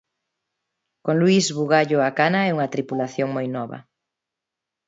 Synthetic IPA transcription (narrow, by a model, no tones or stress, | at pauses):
kõŋluizβuɣaʎoakanaɛuŋɐt̪ɾipulaθjoŋmojnɔβɐ̰